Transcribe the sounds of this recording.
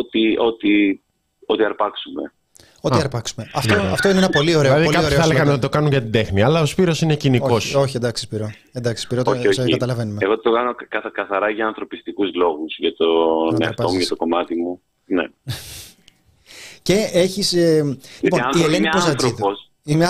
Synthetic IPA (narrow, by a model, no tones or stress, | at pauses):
ot̪io̞t̪i | o̞t̪iɐɾpɐksume̞ | o̞iɐɾpɐksume̞ɐft̪oɐft̪oineenɐpo̞lio̞ɾeɐðiɐoɾeθeleɣɐnot̪it̪o̞kɐnuɲʝɐt̪ind̪e̞xniɐlɐo̞spiɾo̞sine̞cinioo̞so̞çiend̪ɐksi̥spiɾo | end̪ɐksi̥spiɾot̪skɐt̪ɐlɐve̞numeeɣot̪okɐnokɐkɐθɐɾɐʝɐːnθɾo̞pist̪ikuzlo̞ɣusʝɐt̪oneɐɾftpɐomuʝɐt̪oko̞mɐt̪imu | nḛ | ce̞eçiseliponielenpozɐt̪ɾios | imɲɐ